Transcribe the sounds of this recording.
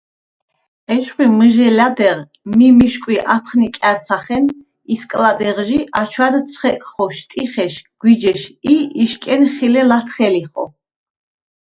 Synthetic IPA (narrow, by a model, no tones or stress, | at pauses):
ɛʃχwiməʒɛlad̪ɛʁ | mimiʃkʼwiʔapʰχnikʼaɾt̪sʰaχɛn | iskʼlad̪ɛʁʒiʔat͡ʃʰwad̪t̪sʰχɛkʼχɔʃt̪ʼiχɛʃɡ̥wid͡ʒɛʃiiʃkʼɛnχilɛlat̪ʰχɛliχɔ̰